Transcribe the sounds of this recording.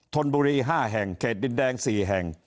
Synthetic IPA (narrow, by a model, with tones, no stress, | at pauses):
t̪ʰo˧nbuː˧ɾiː˧ɦaː˥˩ɦɛ˨˩ŋkʰeː˨˩t̪̚i˨˩ndɛː˧ŋsiː˨˩ɦɛ˨˩ŋ